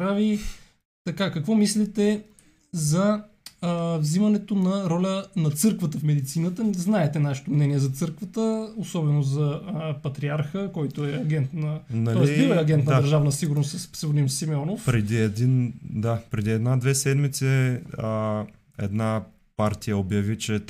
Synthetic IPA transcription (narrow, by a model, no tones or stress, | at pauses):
ɾavi | t̪ɐkakɐkvɔmislit̪ɛ | zɐ | vzimɐnɛt̪onɐɾɔlʲənɐt̪sɤɾkvət̪əfmɛd̪it̪sinət̪əznaɛt̪ɛnaʃɛ̥t̪omnɛniɛzɐt̪sɤɾkvət̪əosɔbɛnozɐpɐt̪ɾiaɾxəkɔjt̪ʊɛɐɡɛnt̪nɐnɐlɔɔɛsiivəɐɡʲɛnt̪nd̪əɾʒavnəsiɡʊɾnost̪ssɛvʊɾnimsːimɛɔnofpɾɛd̪iɛd̪ind̪apɾɛd̪iɛd̪nad̪vɛsɛd̪mit̪sɛ | ɛ̰d̪na | paɾt̪ijəobjɐvit͡ʃɛ